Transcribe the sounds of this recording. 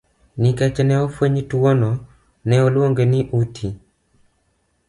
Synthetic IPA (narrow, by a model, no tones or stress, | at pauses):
nikɛt͡ʃnɛɔfweɲtwonɔ | nɛɔlwoŋɡeniʔutʰi